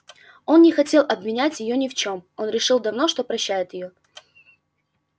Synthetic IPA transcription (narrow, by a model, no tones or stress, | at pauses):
o̞nnʲɪxɐtʲe̞lˠʔɐbvʲɪnʲætʲjɪjo̞nʲɪft͡ɕo̞mo̞nɾʲɪʂɨlˠd̪ɐvno̞ʂt̪o̞pɾɐɕːæjɪt̪jɪjo̞